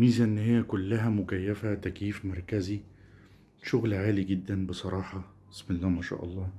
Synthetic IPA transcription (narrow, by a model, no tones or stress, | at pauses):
miːzæʔɪnːhɪjːækʊlːæɦæmʊkæjːæfæt̪ækjiːfmɑɾˤkæzi | ʃʊɣlʕaːliɡɪd̪ːænbesˤɑɾˤɑːħɑ | ɪsmɪlːæːmæʃæ̰ːʔɑ̰lˤːɑː